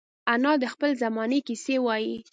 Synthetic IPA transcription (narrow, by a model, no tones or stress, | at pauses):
anɑd̪əxpəlzamɑnekisewɑji